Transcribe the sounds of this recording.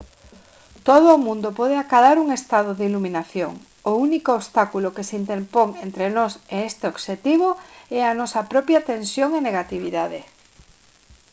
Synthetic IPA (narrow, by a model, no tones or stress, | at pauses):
t̪oð̞ʊːmũnd̪opɔðeakaðaɾuŋest̪aðoðeiluminaθjo̰ŋ | ʊunikoːβst̪akulokesint̪eɾpoŋent̪ɾenɔseest̪eoɡʃet̪iβ̞oɛanɔsɐpɾɔpjat̪ensjoŋeneɣat̪iβ̞iðaðe